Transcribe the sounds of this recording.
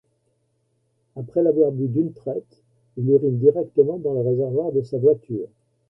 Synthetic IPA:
apχɛlavwaʁbyd̪ynt̪χɛt̪ | iliʁind̪iʁɛk̚t̪əmɑ̃d̪ɑ̃ləʁezɛʁvwaʁd̪əsavwat̪yːʁ

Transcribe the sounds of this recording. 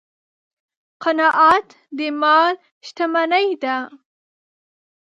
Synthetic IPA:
qanɑʔɑt̪ | d̪əmɑl | ʃt̪amanəjd̪a

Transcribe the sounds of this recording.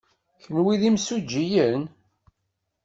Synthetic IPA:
çənwiðimsud͡ʒːijən

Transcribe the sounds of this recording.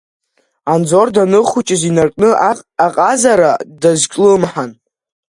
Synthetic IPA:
and͡zo̞rdanɨχut͡ʃʼɪzinarkʼnɨaqʼazaɾadazkʲʼlɨmħan

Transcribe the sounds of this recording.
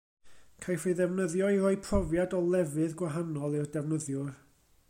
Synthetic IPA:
kʰajfiðɛvnəðjɔirɔːɨpʰrɔvjadɔlˠɛvɨðɡwaɦanɔlˠɨrdɛvnəðjʊr

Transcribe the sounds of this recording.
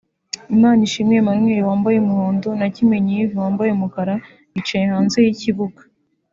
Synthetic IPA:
imaːniʃimŋe̞manmweːɾiwaːmbajemuhoːndonacime̞ɲivuwaːmbajemukaɾa | it͡ʃejehaːnze̞jiciβuɡḁ

